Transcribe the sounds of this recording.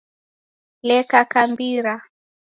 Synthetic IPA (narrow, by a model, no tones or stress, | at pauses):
lɛkakambiɾa